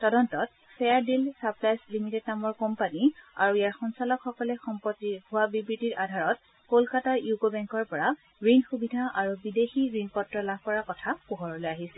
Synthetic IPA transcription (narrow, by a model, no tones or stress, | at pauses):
tɔdɔntɔt | sɛaɹdilsaplajslimitednamɔɹkɔmpania̰ɹuijaɹxɔnsalɔkxɔkɔlɛxɔmpɔtiɡʱʊwabibɹitiɹadʱaɹɔt̚ | kolkataɹjuɡobɛŋkɔɹpɔɹa | ɹinxubidʱaʔaɹubidexiɹinpɔtɹɔlab̚ʱkɔɹakɔtʰapuɦɔɹɔlɔjaɦisɛ